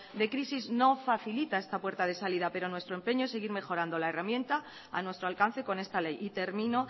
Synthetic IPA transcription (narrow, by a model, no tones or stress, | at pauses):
d̪e̞kɾisizno̞faθilit̪ae̞st̪apwe̞ɾt̪að̞e̞saliðape̞ɾo̞nwe̞st̪ɾompe̞ɲoesːe̞ɣiɾme̞xo̞ɾand̪olae̞ramje̞nt̪a | a̰nwest̪ɾoalkan̟θe̞ko̞ne̞st̪ale̞jit̪e̞ɾmĩno̞